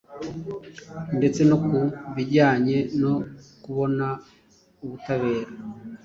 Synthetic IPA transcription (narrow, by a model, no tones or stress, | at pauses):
nde̞t͡se̞nokuβiɟaːɲe̞nokuβo̞na | uβutaβe̞ːɾa